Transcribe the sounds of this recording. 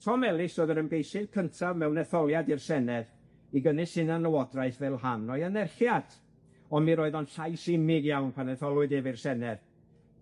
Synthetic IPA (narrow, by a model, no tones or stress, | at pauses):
tʰɔmɛlˠɪsoːðəɾənbejsɪðkʰəntʰavmɛwnɛθɔlˠjadɪrsɛnɛð | iɡənɨsɪnanəwɔdraɨθvɛlˠhanɔjanɛrχjad̥ | ɔnmiɾoɨðɔnɬajsɪmɪɡjawnpʰanɛθɔlˠʊɨdɪvɪrsɛnɛð